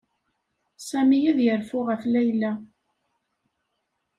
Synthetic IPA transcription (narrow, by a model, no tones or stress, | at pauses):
sæmijiðjəɾfʊʁəflæjlːæ